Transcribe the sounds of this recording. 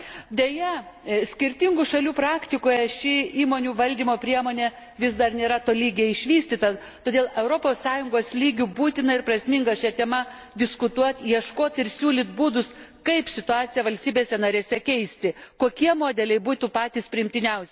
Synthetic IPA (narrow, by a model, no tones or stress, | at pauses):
d̪ʲejɛsʲkʲɪɾʲt̪ʲɪŋɡʊʃɐlʲuːpɾɑːkt̪ʲɪkoːjɛʃʲɪiːmoːnʲuːʋɐlʲd̪ʲiːmoːpʲɾʲiɛmoːnʲeː | ʋʲɪsd̪ɐrnʲeːɾɐt̪oːlʲiːɡʲeːɪʃʲʋʲiːsʲt̪ʲɪt̪ɐ | t̪oːd̪ʲeːlˠɛʊɾoːpoːssɑːjʊŋɡoːslʲiːɡʲʊbuːt̪ʲɪnɐɪɾprɐsʲmʲɪŋɡɐʃʲɛt̪ʲɛmɐ | d̪ʲɪskʊt̪uɔt̪jiɛʃkoːt̪ɪɾsʲuːlʲɪt̪̚buːd̪ʊskɐɪpsʲɪt̪ʊɑːt̪sʲɪjɛʋɐlʲsʲt̪ʲiːbʲeːsʲɛnɐɾʲeːsʲɛkʲɛɪsʲt̪ʲɪkoːkʲiɛmoːd̪ʲɛlʲɛɪbuːt̪upɑːt̪ʲiːspʲɾʲɪɪmʲt̪ʲɪnʲɛʊsʲɛ